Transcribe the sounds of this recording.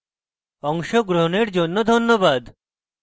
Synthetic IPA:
ɔŋʃoɡɾoɦoneɾd͡ʑonːod̪ʱonːobad̪

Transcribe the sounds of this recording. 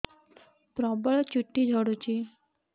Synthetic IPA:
pɾɔbəɭt͡ɕuʈːid͡ʒʱɔɽut͡ɕi

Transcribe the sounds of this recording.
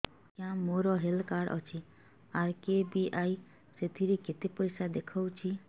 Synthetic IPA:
kjãmoɾɔɦelkaɾʔɔ̰t͡ʃʰi | aɾkebiʔaj | set̪ʰiɾeket̪ipɔjsad̪ekʰɔwt͡ʃʰi

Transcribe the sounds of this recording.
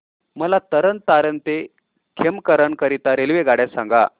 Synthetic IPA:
məlat̪əɾənt̪aɾənt̪e | kʰemkəɾəɳkəɾit̪aɾelʋeɡaɽjasãŋɡa̰

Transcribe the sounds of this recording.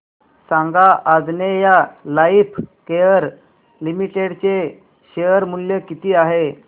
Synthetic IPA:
sãŋɡaʔad͡znejalaipʰkejəɾ | limiʈeɽt͡se | ɕejəɾmuljekit̪iːaɦe

